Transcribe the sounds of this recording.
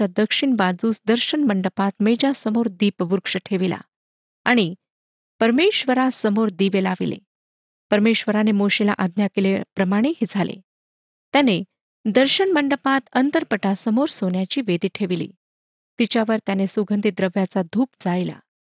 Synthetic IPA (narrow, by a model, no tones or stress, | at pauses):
ad̪əkʂiɳbad͡zuːsd̪əɾɕəɳməɳɖəpat̪med͡ʑasəmoɾd̪iːpʋuɾkʂəʈʰeʋila̰ | aɽ̃i | pəɾmeɕʋəɾasəmoɾd̪iʋelaʋḭlḛ | pəɾmeɕʋəɾanemoɕela̰ʔad̪ʱnjakelepɾəmaɽ̃eɦid͡zʱalḛ | t̪jane | d̪əɾɕəɳməɳɖəpat̪ənt̪əɾpəʈasəmoɾsonjat͡ɕiːʋed̪iːʈʰeʋilḭː | t̪it͡ɕjaʋəɾt̪janesuɡʱənd̪ʱid̪ɾəʋjat͡sad̪ʱuːpd͡zaɭila̰